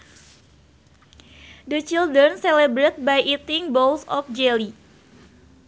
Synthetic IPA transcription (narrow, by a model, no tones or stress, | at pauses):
dət͡ʃild̪ɾənselebɾet̪̚bajʔit̪ɪŋbɔlsɔfd͡ʒeli